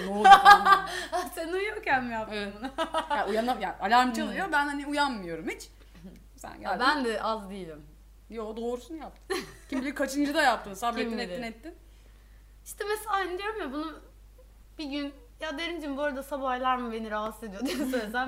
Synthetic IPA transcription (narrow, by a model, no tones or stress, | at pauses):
d̪o | seniujocænmijapunaujanamjaʔalʲaɾmɯt͡ʃʰalˠɯjobænhaniujanmɯjo̞ɾumit͡ʃ | sæ̰nɟælʲbænd̪ɛʔazd̪ijilʲim | jod̪o̞ːɾusunjap̚t̪ʰɯ̥cʰimilʲikʰat͡ʃʰɯnd͡ʒɯd̪ajap̚t̪ʰɯmsableinɛt̪ːinɛt̪ːim | iʃt̪ɛmeseaanɛd̪ijo̞ɾumjabunu | b̥iɟyn | jad̪eɾimd͡ʒiboːɾad̪asabajlˠaɾmɯbe̞niɾaɦase̞d̪ijo̞d̪isølʲsæn